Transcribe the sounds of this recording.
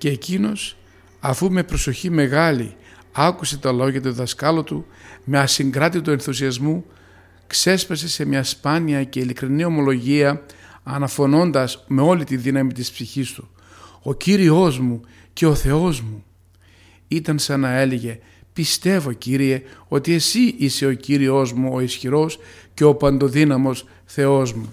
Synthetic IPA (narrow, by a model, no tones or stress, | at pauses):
ce̞ːcino̞s | ɐfume̞pɾo̞so̞çime̞ɣɐlḭ | ɐkuse̞t̪ɐlo̞ʝɐt̪̬uðɐskɐlo̞t̪ume̞ɐsiŋɡɾɐt̪it̪ue̞nθusiɐzmu | kse̞spɐse̞se̞mɲɐspɐniɐce̞ilikɾinio̞mo̞lo̞ʝiɐːnɐfo̞no̞nd̪ɐzme̞o̞lit̪iðinɐmit̪ispsiçist̪u̥ | o̞ciɾio̞zmu | ce̞o̞θe̞o̞zmu | it̪ɐnsɐnɐe̞leʝe̞ | pist̪e̞vo̞ciɾie̞o̞t̪ie̞siʔise̞o̞ciɾio̞zmuo̞isçiɾo̞sce̞o̞pɐnd̪o̞ðinɐmo̞s | θe̞o̞zmu